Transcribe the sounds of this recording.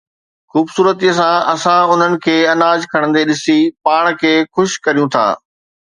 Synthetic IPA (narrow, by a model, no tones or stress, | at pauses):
xuːbsuːɾət̪iːəsãɐsãʊn̤ənɪ̆kʰeːɐnaːd͡ʑkʰɐɽ̃ə̃nd̪eɗɪsipaːɽ̃kʰeːxʊʃkɐɾijũt̪ʰa̰ː